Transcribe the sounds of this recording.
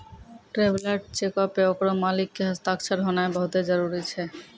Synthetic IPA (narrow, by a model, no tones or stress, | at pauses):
ʈɾeblaʈ̚t͡ɕekapeokɔɾomalikːeɦast̪ak̚t͡ɕʰaɾɦɔnaebʱɔt̪ed͡ʑɔɾuɾit͡ɕʰe